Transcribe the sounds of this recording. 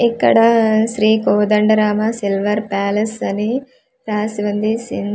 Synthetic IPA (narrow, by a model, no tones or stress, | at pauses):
ekːɐ̰ɽɐʃɾiːkoːd̪ɐɳɖɐɾaːmɐsilʋɐɾpaːlɐsɐni | paːsiʋɐnd̪isin